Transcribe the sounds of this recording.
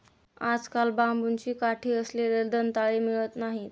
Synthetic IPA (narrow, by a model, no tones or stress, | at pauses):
ad͡zkalbambunt͡ɕiːkaʈʰiːəsleɾeld̪ənt̪aɭemiɭət̪naɦit̪